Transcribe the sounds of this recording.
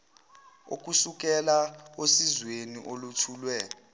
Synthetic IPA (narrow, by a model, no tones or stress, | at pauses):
o̰k̬ʼusuk̬ʼɛlaosizweniʔolutʰuːlwɛ